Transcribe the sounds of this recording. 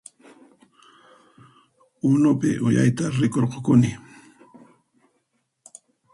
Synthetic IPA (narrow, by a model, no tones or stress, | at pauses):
ʊnʊpɪ̰ʔʊja̰jt̪aɾɪkoɾqokʊnɪ